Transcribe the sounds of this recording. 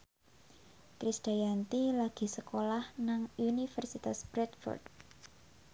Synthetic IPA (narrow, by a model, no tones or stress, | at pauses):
kɾisd̪̥a̤jant̪ilaɡ̥i̤səkolahnaŋunifərsit̪asbɾɛt̪fɔ̰rd̪